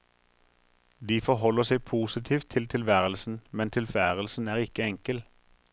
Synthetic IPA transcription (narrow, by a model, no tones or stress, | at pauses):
d̪iːfɔʁɦɔləsɛɪpʰuːsɪt̪ʰiːft̪ʰːɪlt̪ʰɪlʋæːʁəlsn̩mɛnt̪ʰɪlfæːʁəl̩sn̩æːʁɪkəɛŋkəl